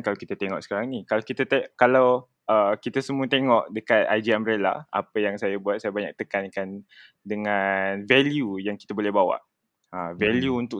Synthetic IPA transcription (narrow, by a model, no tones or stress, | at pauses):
kalawkit̪at̪eŋɔʔsə̥kaɾaŋnikalakit̪at̪ekalaw | əkit̪asəmũət̪eŋɔʔdəkat̪̚a̰jd͡ʒiambɾela̰a̰pajaŋsajabuat̪̚sajabaɲa̰k̚t̪əkankan | dəŋãnvɛljujaŋki̥t̪abolɛhbawa̰ʔ | əvɛljuunt̪ʊ